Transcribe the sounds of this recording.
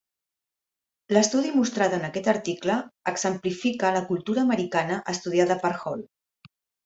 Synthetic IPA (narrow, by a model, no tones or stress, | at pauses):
ləst̪uðimust̪ɾaðənəkɛt̪əɾt̪ikləəkz̥əmplifikələkulˠt̪uɾəːməɾikanəʔəst̪uð̞iaðəpəɾxɔl